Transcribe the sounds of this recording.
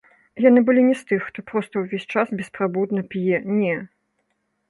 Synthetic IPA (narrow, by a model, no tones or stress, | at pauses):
janɨbɨlʲinʲɛst̪ɨxːt̪ɔpɾɔst̪ɐwvʲesʲt͡ʂasbʲɛspɾabud̪nɐpʲjɛnʲɛ